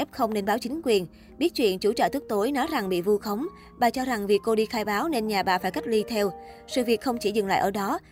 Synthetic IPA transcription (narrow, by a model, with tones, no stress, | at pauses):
ʔɛ˦˥p̚xə˧wŋ͡mne˧nɓaː˨˦wt͡ɕï˨˦ŋ̟kwi˨˩ən | ɓi˦˥ət̚t͡ɕwḭ˧˨ənt͡ɕu˧˩t͡ɕə̰ː˧˩t̪ʰk̚t̪o˨˦jnɔ˨˦jza˨˩ŋɓḭ˧˨vu˧xə˨˦wŋ͡m | ɓaː˨˩t͡ɕɔ˧za˨˩ŋvi˨˩əkːo˧ɗi˧xaː˧jɓaː˨˦wne˧nɲaː˨˩ɓaː˨˩faː˧˩jka˦˥jk̚li˧t̪ʰɛ˧wsɨ̰˧˨vi˨˩ək̚xə˧wŋ͡mt͡ɕi˧˩zɨ˨˩ŋla̰ː˧˨ʔəː˧˩ɗɔ˨˦